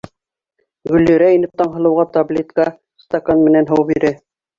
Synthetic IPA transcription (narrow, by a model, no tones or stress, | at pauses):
ɡɵ̆lːɵ̆ɾæinɘp̚t̪ɑɴɦɤ̆lˠɤ̆wʁɑt̪ablʲet̪kɑ | st̪ɑkanmɘ̆nænɦɤwbiɾɘ